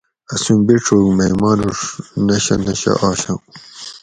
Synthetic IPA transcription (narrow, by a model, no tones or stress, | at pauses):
ɐsumbiʈ͡ʂʰoːɡmɐjmaːnuʂnɐɕɐ̰nɐɕa̰ʔaːɕɐ̃